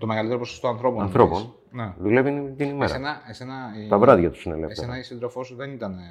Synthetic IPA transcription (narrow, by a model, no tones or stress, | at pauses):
t̪omeɣɐlit̪eɾoposost̪oɐnθɾo̞poɐnθɾo̞pon | neðule̞vit̪inimesɐenɐesenɐt̪ɐvɾɐðʝɐt̪u̥sinelesfeenɐisind̪ɾofosuðenit̪ɐne